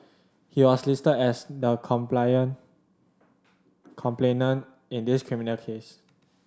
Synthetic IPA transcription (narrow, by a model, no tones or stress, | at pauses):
hiwɔslistədɛsdəkʰɔ̃mplajə̃n | kʰɔ̃mplenə̃n | ĩndiskʰɹimĩnəlkʰes